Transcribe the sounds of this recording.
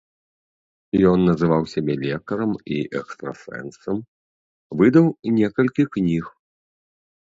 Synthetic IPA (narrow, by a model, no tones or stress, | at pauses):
jɔnːɐzɨvawsʲabʲɛlʲɛkɐɾɐmiʔɛkst̪ɾɐ̰sɛ̰nsɐm | vɨd̪ɐwnʲɛkɐlʲkʲiknʲix